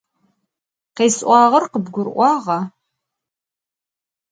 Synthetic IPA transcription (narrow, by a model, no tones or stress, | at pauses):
qeːsʔʷɑːʁɐrqəbɡʷʊrʔʷɑːʁɐ